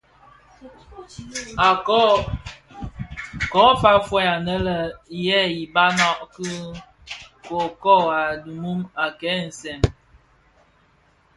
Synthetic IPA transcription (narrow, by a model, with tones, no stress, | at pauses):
a˨˦ | kɔ˨˦fa˦fwɛ˦ja˨nə˦lə˨jɛ˦i˨ba˦nɔ˦˨ʔki˦ | ko˨kɔ˦˨a˨du˨mu˦ma˨kɛ˨˦n̩˨sɛ˨ŋ